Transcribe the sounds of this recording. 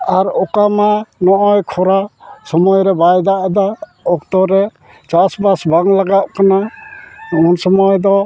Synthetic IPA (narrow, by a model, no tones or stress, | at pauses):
aɾɔkamanɔʔɔjkʰɔɾasɔmɔjɾɛbajd̪aʔd̪aɔk̚t̪ɔɾɛ | t͡ʃasbasbaŋlaɡaʔ̚kana | ɔɔnsɔmɔjd̪ɔ